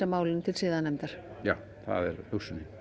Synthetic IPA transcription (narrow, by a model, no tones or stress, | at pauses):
amaːwlɪnt̪ʰɪlsɪːðanɛmt̪aɾ̥ | jaw | θa̰ðɛ̰ɾʏwsʏnɪ